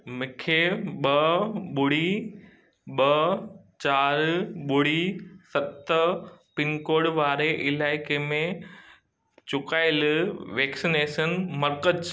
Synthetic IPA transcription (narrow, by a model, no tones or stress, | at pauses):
mɪkʰeɓɐɓʊɽ̤i | ɓɐ | t͡ɕaːɾɓʊɽ̤isɐbt̪əpɪnkoːɽʋaːɾeʔɪlaːɪkemẽ | t͡ɕʊkaːɪlʋeːksineːʃənmɐɾkə